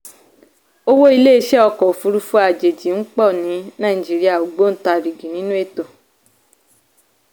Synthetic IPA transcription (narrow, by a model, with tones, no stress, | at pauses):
o˦wo˦i˧le˦˨i˧˦ʃɛ˦ɔ˧kɔ˨fu˧˦ɾu˧fu˦a˨d͡ʒe˨d͡ʒi˨˦ŋ̩˦k͡pɔ˦˨nĩ˨˦nã˦˨ĩ˨d͡ʒi˨˦ɾi˦a˦˨o˨ɡ͡bo˦n̩˦ta˧˨ɾi˨ɡi˨nĩ˦nũ˦e˦˨to˨